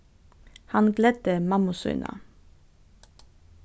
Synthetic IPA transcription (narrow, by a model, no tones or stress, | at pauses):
hɑnɡlɛd̪̥əmɑmʊsʏ̰nʔɑ̰